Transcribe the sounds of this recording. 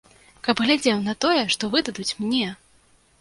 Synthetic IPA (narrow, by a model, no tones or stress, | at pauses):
kɐbɣlʲad͡zʲɛwnɐt̪ɔjɛʂt̪ɔvɨd̪ɐd̪ut͡sʲmnʲɛ